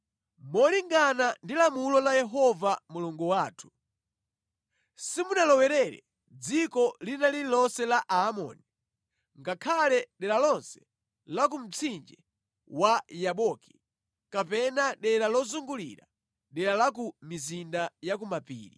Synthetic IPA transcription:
mɔliŋɡanandilamulɔlajɛɦɔvamuluŋɡuwaːtʰu̥ | simunalɔwɛɾɛɾɛ̰ | d͡zikɔlinaliilɔsɛlaʔaːmɔ̰ːni | ŋɡakʰalɛɗɛɾalɔnsɛ̥ | lak̬um̩t͡sʰind͡ʒɛ | wajaɓɔki | kapɛnaɗɛɾalɔzuŋɡulḭɾa̰ | ɗɛɾalak̬umizindajak̬umapḭːɾḭ

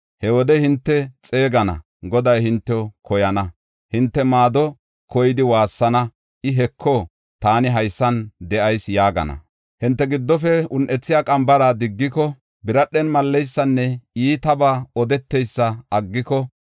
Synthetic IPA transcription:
hɛwɔd̪ɛhɪnt̪ːɛt͡sʼe̞ːɡɐnɐ̰ | ɡɔd̪ɐjhɪnt̪ːɛɔkɔjɐnɐ | hɪnt̪ːɛmaːd̪ɔ | kɔjɪd̪ɪwaːsːɐnɐ | ʔɪɦɛkʰːɔ | t̪aːnɪɦɐjsːɐnd̪ɛʔɐjsjaːɡɐ̰nɐ̰ | hɪnt̪ːɛɡɪd̪ːɔfɛʊnʔɛt͡sːɪjaːkʼɐmbɐɾaːd̪ɪɡːɪkɔ | bɪɾɐɗːɛnmɐlːɛjsːɐnːɛiːt̪ɐbaːɔd̪ɛt̪ːɛjsːɐɐɡːɪkɔ

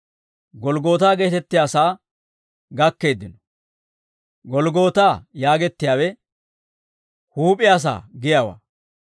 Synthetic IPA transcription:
ɡɔlɡo̞ːt̪aːɡe̞ːt̪ɛt̪ːɪjaːsaː | ɡɐkːe̞ːd̪ːɪnɔ | ɡɔlɡo̞ːt̪aːjaːɡɛt̪ːɪjaːwɛ | huːpʼɪjaːs̬a̰ːɡɪjaːwa̰ː

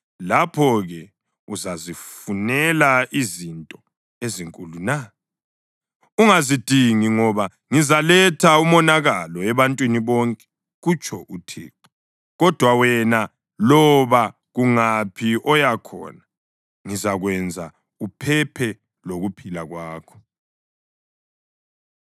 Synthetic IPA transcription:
lapʰɔɣɛ | uzazifunɛlaʔizintʼɔ | eziŋkʼuluna | uŋazid̥ʱiŋiŋɔβa | ŋizalɛtʰaumɔnaɣalɔɛβantʼwiniβɔŋkʼɛ̥ | ɣut͡ʃʰɔʔutʰḛːǃɔ | ɣɔd̥ʱwawɛna | lɔβa | ɣuŋapʰiɔjakʰɔ̰na | ŋizaɣwɛnd͡zʱa̰ | upʰɛpʰɛ | loɣupʰilaɣwaːkʰɔ̥

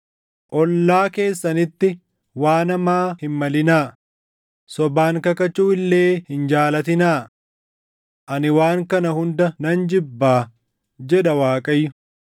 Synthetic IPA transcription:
ʔɔlːaːke̞ːsːɐnɪt̪ːɪ | waːnɐmaːhɪnmɐlɪnaː | sɔbaːŋkɐkɐt͡ʃːuːɪlːe̞ːhɪnd͡ʒaːlɐt̪ɪnaː | ʔɐnɪwaːŋkɐnɐhʊnd̪ɐnɐnd͡ʒɪbːaː | d͡ʒɛᶑɐwaːkʼɐjːʊ

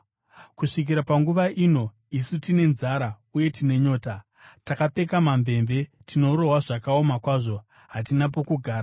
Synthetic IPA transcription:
kuʂik̬iɾapaŋɡuʋaʔino̞ | isutine̞nzaɾa | uje̞tine̞ɲo̞ːta | takate̞kamamve̞mve̞ | tino̞ɾo̞ɦwaʐakao̞makwaːʐo̞ | ɦat̬inapo̞kuɡʱaːɾa

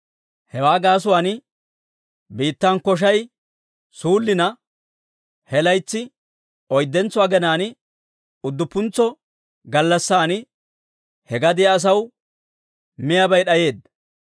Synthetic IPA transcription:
hɛwaːɡaːs̬ʊwaːn | biːt̪ːankɔʃ̬ɐj | suːlːɪnɐ | hɛlɐjt͡sːɪ | ɔjd̪ːɛnt͡sːʊwaːɡɛnaːn | ʊd̪ːʊpːʊnt͡sːɔ | ɡɐlːɐsːaːn | hɛɡɐd̪ɪjaːs̬ɐw | mɪjɐbɐjɗɐje̞ːd̪ɐ

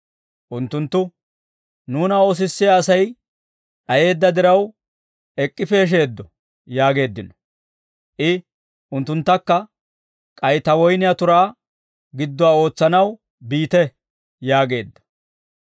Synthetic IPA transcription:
ʔʊnt̪ːʊnt̪ːʊ | nuːnɐo̞ːs̬ɪsːɪjaːsɐj | ɗɐje̞ːd̪ːɐd̪ɪɾɐw | ɛkʼːɪfeːʃ̬e̞ːd̪ːɔ | jaːɡe̞ːd̪ːɪnɔ̥ | ʔɪ | ʔʊnt̪ːʊnt̪ːɐkːɐ | kʼɐjt̪ɐwɔjnɪjat̪ʊɾaː | ɡɪd̪ːɔwaːo̞ːt͡sːɐnɐw | biːt̪ɛ | jaːɡe̞ːd̪ːɐ̥

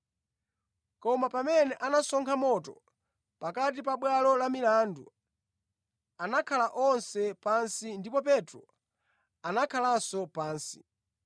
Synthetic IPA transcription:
kɔmapamɛnɛʔanasɔŋkʰamɔtɔ | pakat̬ipaɓwalɔlamilandu | anakʰalaʔɔnsɛpansindipɔp̬ɛtɾɔ | anakʰalasɔpaːnsi̥̰

